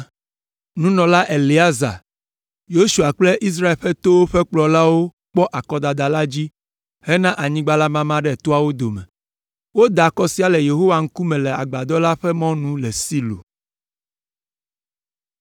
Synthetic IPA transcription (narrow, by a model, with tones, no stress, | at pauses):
nũ˦nɔ̃˨la˦ʔe˨li˨a˦za̰˨ | jo˦ʃu˨a˨k͡ple˦ʔi˦s̬ɾa˦e˨lɸɛ˦t̪o˦wo˦ɸɛ˦k͡plɔ˨la˦wo˦ | k͡pɔ˦ʔa˨kɔ˦d̪a˨d̪a˨la˦d͡ʑi˦ | hɛ˦nã˦ʔa˨ɲĩ˦ɡ͡ba˦la˦mã˦mã˦ɖɛ˦˨t̪o˦a˦wo˦d̪o˨mɛ̰˨ | wo˦d̪a˨kɔ˦si˦a˨lɛ˨je˨ɦo˦wa˨ŋ̩˦ku˦mɛ̃˨lɛ˨a̰˨ɡ͡ba˨d̪ɔ˦la˦ɸɛ˦mɔ̃˦nũ˦lɛ˨si˦lo̰˨